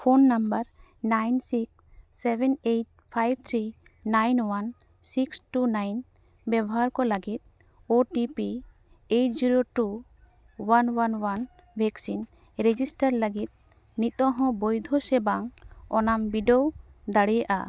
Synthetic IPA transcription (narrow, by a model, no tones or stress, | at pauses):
pʰonːambəɾnajnsikː | ɛbɛnejʈ̚pʰajb̚t̪ʰɾi | najnwan | siksʈunajn | bɛbɔɦaɾkɔləɡit̪̚ | oʈipi | eʈd͡ʒiɾoʈu | wanwanwan | bʱɛksin | ɾed͡ʒisʈəɾləɡit̪̚ | nit̪ɔ̃ɦɔ̃bojd̪ʱosɛbaŋɔnambiɖowd̪aɽijaʔa̰